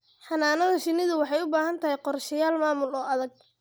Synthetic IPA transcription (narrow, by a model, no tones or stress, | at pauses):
ħɑnaːnɐðɐʃɪnɪðʊwɑħɑjʊbaːɦɐnt̪ʰɐɦɛjqɔrʃɪjaːlmaːmʊlɔːʔɐðɐɡ̚